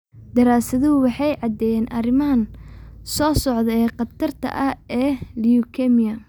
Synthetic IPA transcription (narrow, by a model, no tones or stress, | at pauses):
d̪ɐɾaːsɐðʊwɑħɑjʕɑd̪ɛjɛːnʔɐ̰rɪmɐɐnsɔːsɔʕðɛɛːqɑt̪ʰɐrt̪ʰɐ̰ʔɐɛːlijukʰɛmijɐ